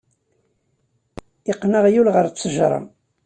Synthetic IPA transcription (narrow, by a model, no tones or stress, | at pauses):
iqːnəʁjulʁəɾt͡sːəʒɾˤɑ̰